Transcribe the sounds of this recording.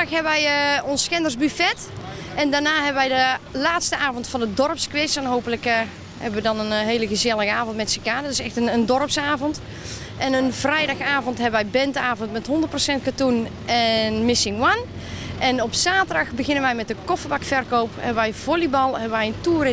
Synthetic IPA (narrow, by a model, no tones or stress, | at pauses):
xɦɛbəʋɛjɔnsːkɛndərsbyfɛt | ɛndarnaːɦɛbəʋɛjdəlaːtstəaːvɔntfɑnədɔrəpskʋɪsɛnɦoːpələk | hɛ̰bəʋədɔnənɦeːləɣəzjɛlˠəɣəaːvɔntmɛtsəkaːddɪsɛxtənəndɔrəpsaːvɔnt | ʔɛnənv̥rɛjdɑxaːvɔntɦɛbəʋɛjbɛntəaːvɔntmɛtɦɔndərtprosɛntkatun | ɛnmɪsɪŋwan | ʔɛnɔpsaːtədɑxbəɣɪnənʋɛjmɛt̚dəkɔfəbakfɛrkoːwphɛ̰bəʋɛjvolibɑlˠhɛbəʋɛjəntuərɪ